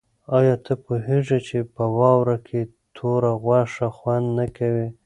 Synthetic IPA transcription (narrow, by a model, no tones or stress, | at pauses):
ɑjɑt̪ʰəpoɦeʐet͡ʃepəwɑwɾakʰe | t̪ʰoɾaɣwaʂaxwand̪nakawi